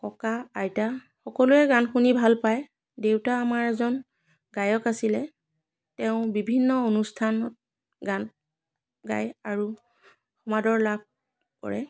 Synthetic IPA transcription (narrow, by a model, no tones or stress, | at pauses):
kɔkaajta | xɔkɔlʊɛɡanxunibʱalpaj | dewtaːmaɹɛzɔn | ɡajɔkasilɛ | tɛʊ̃bibʱinːɔonustʰanɔt̚ | ɡan | ɡa̰jaɹu | xɔmadɔɹlab̚ʱ | kɔ̰ɹɛ̰